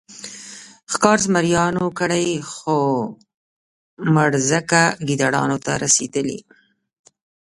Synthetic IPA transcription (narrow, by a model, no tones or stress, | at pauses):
xkɑɾzmaɾjɑnokəɽəjxo | maɽzəkaɡid̪aɽɑ̰not̪aɾased̪əlḭ